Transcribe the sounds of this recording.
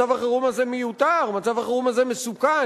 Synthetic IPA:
avaχaʁumazemejut̪aʁmat͡savaχaʁumazemesuka

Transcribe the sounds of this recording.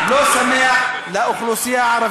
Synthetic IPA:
losamːɪjalaʔʊxlusˤɪjːaʕɑɾˤɑ

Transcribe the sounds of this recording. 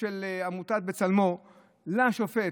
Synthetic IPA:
elamut̪at̪̚bet͡salmo | laʃofe

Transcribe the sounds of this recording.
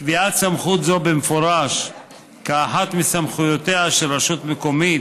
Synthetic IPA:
kviat̪samχut̪zo̞bemefoɾaʃ | kaːħat̪mesamχujo̞t̪eaʃelʁaʃut̪meko̞mit

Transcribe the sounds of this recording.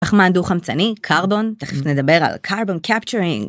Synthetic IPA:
aχmand̪uχamt͡sanikʰaʁbo̞nt̪aχefnled̪ɐbe̞ʁa̰lkʰaʁbonkʰapt͡ʃuʁĩŋ

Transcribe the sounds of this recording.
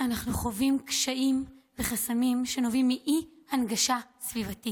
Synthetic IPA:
ʔanaχnuχo̞vimkʃaʔimve̞χasamimʃe̞no̞vimːiʔi | hanɡaʃasvivatit

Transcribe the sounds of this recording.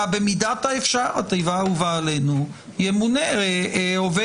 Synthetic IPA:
abemidat̪aefʃaʁat̪ejvauvaːlenu | jemuneeove

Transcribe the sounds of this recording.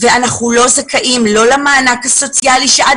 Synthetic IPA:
veanaχulo̞zakʰaʔimlo̞lamaːnakaso̞t͡sialiʃeʔa

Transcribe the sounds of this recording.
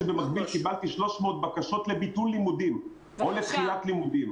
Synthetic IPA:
bemaχbilkibalt̪iʃlo̞ʃmeot̪̚bakaʃo̞t̪le̞bit̪ullimudim | o̞lepχijat̪limud̪im

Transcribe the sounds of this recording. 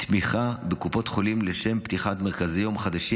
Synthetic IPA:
t̪miχabe̞kupo̞t̪χo̞limleʃe̞mpt̪iχatmeʁkazijomχad̪aʃi

